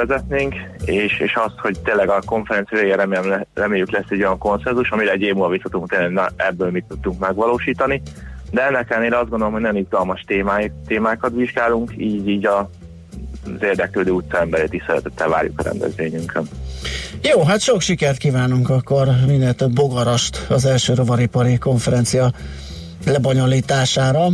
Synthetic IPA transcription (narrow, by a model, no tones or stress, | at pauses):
ɛzɛt̪neːŋkeːʃeːʃɒst̪ho̞ct̪eːnlɛɡɒko̞ɱfɛɾɛnt̪sijɒveːɡeɾɛmːmɛrɛmeːjyklɛsːɛɟːo̞jɒŋko̞nsɛnzuʃɒmiɾɛɛɟeːmuːlɒvisot̪uŋkt̪eːllɛɡnɛ̰ɛbːøːlmit̪ːut̪ːuŋkmɛɡʋɒloːʃiːt̪ɒnid̪ɛɛnːɛkɛlneːlɾɛɒzdɡond̪oomɦonojnizɡɒlmɒʃt̪eːmat̪eːmaːkɒt̪ʋiʒɡaːluŋkiːɟiːɟɒ | zeːrd̪ɛkløːd̪øːuːt̪sɒɛmbɛɾeːt̪iːʃsɛɾɛ̰t̪ɛt̪ːɛva̰ːɾjṵkɒɾɛ̰nd̪ɛ̰zʋeːɲyŋkʰøn | joːɦat̪ʃo̞kʃikɛrt̪̚kiːvaːnuŋkɒkːo̞rminɛt̪ɛd̪bo̞ɡɒɾɒʃt̪ɒzɛlʃøːɾo̞vɒɾipɒɾiko̞ɱfɛɾɛnt̪sijɒ | lɛbɒɲoliːt̪aːʃaːɾɒ